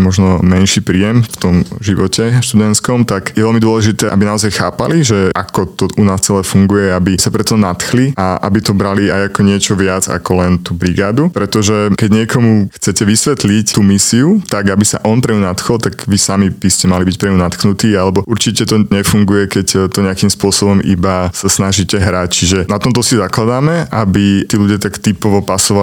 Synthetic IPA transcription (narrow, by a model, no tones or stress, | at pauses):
mɔʒnɔmɛnʃiːpɾiːjɛmft̪ɔmʒiʋɔcɛʃt̪ud̪ɛnt̪skɔmt̪aɡjɛʋɛlmid̪ʊɔlɛʒit̪ɛːʔa̰binaɔzajxa̰ːpa̰liʒɛʔakɔt̪ɔunaːst͡sɛlɛːfuŋɡujɛabisapɾɛt̪ɔnat̪xliaʔa̰bit̪ɔbɾaliajakɔɲɪɛt͡ʃɔʋɪad͡za̰kɔlɛnt̪uːbɾiɡaːd̪upɾɛt̪ɔʒɛkɛɟɲɪɛkʰɔmuxt͡sɛcɛʋisʋɛt̪lict̪uːmisiut̪aɡabisa̰ʔɔnpɾɛɲunat̪xɔlt̪aɡʋisamib̥iscɛmalibic̚pɾɛɲunat̪xnut̪iːalɛbɔʔuɾt͡ʃicɛt̪ɔɲɛfuŋɡujɛkɛct̪ɔɲɛakimspʊɔsɔbɔmḭbasasnaʒicɛɦɾact͡ʃiʒɛnat̪ɔmt̪ɔsizaklad̪aːmɛʔabit̪iːluɟɪat̪akt̪ipɔʋɔpasɔʋa